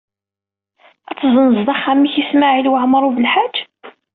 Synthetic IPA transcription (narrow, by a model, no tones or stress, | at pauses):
æt͡sːzˤənəzd̪ˤɑχːæmːiçismaʕilwəʕməɾˤuvəlħḁd͡ʒː